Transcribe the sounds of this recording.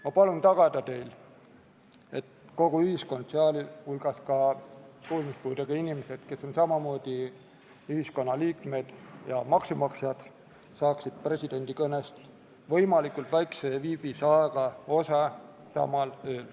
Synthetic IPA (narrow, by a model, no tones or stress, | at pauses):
mɑpɑlunt̪ɑɡ̥ɑd̪̥ɑt̪e̞jl | e̞t̪ | ko̞ɡ̥uyhisko̞nd̪̥seɑlhulɡ̥ɑskɑkuːlmispuːd̪eɡ̥ɑinimese̞d̪̥ke̞so̞nsɑmɑmo̞ːd̪̥i | yhisko̞nːɑliːkme̞d̪̥jɑmɑksumɑksjɑd̪̥ | sɑːksid̪̥̚pre̞sʲid̪̥e̞nʲd̪̥ikɤnest̪ | vɤ̞jmɑlikult̪væjkseviːb̥isɑeɡ̥ɑo̞sɑ | sɑ̰mɑløːl